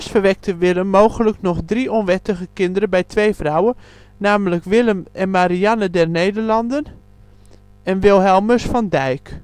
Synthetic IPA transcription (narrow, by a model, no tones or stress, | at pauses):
sfərʋɛk̚təʋɪləmːoːwɣələknɔχdriɔnʋɛtəɣəkɪndəɾəbɛjtʋejfrawə | naːmələkʋɪləmɛnmaɾianədɛrnejdərlɑndən | ɛnʋɪlˠɦɛlˠməsfɑndɛjk